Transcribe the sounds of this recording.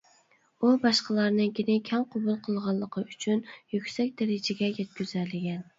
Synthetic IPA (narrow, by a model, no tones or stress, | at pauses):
ubɑʃqəlˠɑɾnɨŋkʲʰenɪkʲʰɛŋqʰobulˠqʰəlˠʁɑlˠːəqʰəyt͡ʃʰynjykʲsɛkʲd̪æɾɪd͡ʒɪɡʲɛjɛt̪̚kʲyzælːɪɡʲɛn